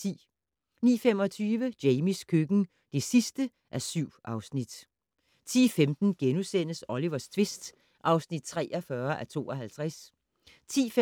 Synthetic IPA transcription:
t͡sʰḭː | nḭːfem̰ɒ̽t͡sʰyːʋəd̥eɪmiskʰøɡ̥n̩ | d̥e̝sisd̥ə | ʔæɐsyʊ̰ʔɑ̈ʊsnid̥ | t͡sʰḭːfemd̥n̩ɡ̥enusen̰əsɒliʋɐst͡sʰʋe̝sd̥ | ʔɑ̈ʊsnid̥̚t͡sʰʁɛ̰ːʔɒfɶɐʔæt͡sʰo̝̰ːɒɦælt͡sʰʁas | t͡sʰḭːf

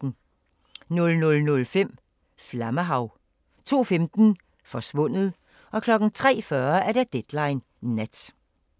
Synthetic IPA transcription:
nɔlnɔlnɔ̽lfem̰ | flæməɦɑ̈ʊ | t͡sʰo̝̰ːfemd̥n̩ | fɒ̽sʋɔ̽n̰ð̩ˠ | ɒ̽kʰlɒ̽ɡ̥n̩t͡sʰʁɛ̰ːfɶɐæɐd̥æd̥ed̥lɑ̈ɪnː | æd̥

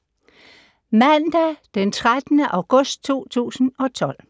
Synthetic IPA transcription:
mænd̥æd̥ent͡sʰʁad̥nəʔɑ̈ʊɡ̥ɔ̽sd̥̚t͡sʰo̝̰ːt͡sʰṵːsn̩ɒ̽t͡sʰɒ̽l̰

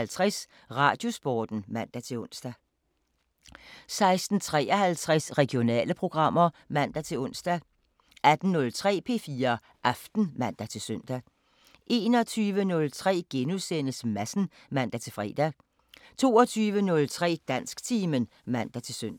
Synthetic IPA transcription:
lt͡sʰʁɛs | ʁɑ̈ːd̥jo̝sb̥ɒːd̥n̩mæn̰d̥æt͡sʰe̝lɔ̽n̰sd̥æ | sɑ̈ɪsd̥n̩t͡sʰʁɛ̰ːɒhælt͡sʰʁɛsʁɛɡ̥jo̝nɛ̰ːləpʰʁo̝ɡ̥ʁɑ̈m̰ɐmæn̰d̥æt͡sʰe̝lɔ̽n̰sd̥æ | ʔæd̥n̩nɔ̽lt͡sʰʁɛ̰ːpʰe̝ːfiːɐ | ʔɑfd̥n̩mæn̰d̥æt͡sʰe̝lsøn̰d̥æ | ʔe̝ːnɒ̽t͡sʰyːʋənɔ̽lt͡sʰʁɛ̰ːɡ̥enuðˠsen̰əsmæsn̩ | mæn̰d̥æt͡sʰe̝lfʁɛ̰ːd̥æ | t͡sʰo̝̰ːɒt͡sʰyːʋənɔ̽lt͡sʰʁɛ̰ːd̥æn̰sɡ̥t͡sʰiːmən | mæn̰d̥æt͡sʰe̝søn̰d̥æ

